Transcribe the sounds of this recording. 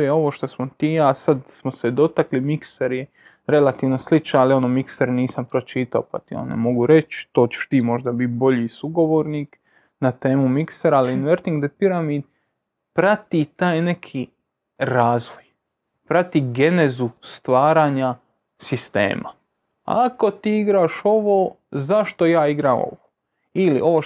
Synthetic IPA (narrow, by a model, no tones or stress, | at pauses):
jeo̞ʋoʃt̪osmot̪iːasad̪smosed̪o̞t̪aklimikseɾje | ɾe̞lat̪iːʋnoslit͡ʃnaalio̞nomikseɾniːsampɾo̞t͡ʃiːt̪aopa̰t̪io̰nḛmo̞ɡuɾe̞t͡ʃt̪o̞ːt͡ʃe̥ʃt̪iːmo̞ʒd̪abit̪̚bo̞ʎisuɡo̞ʋoːɾniːk | nat̪e̞ːmumikseɾaaliinʋeɾt̪iŋɡd̪epiɾamiːd̪ | pɾat̪it̪aːjne̞kʰi | ɾaːzʋoj | pɾat̪iɡe̞nezust̪ʋaːɾaːɲa | sist̪ḛːmʔa̰ | a̰ko̞t̪iːiɡɾaːʃo̞ʋoː | zaʃt̪o̞jaːiɡɾaːmo̰ʋo | ilḭʔo̞ʋo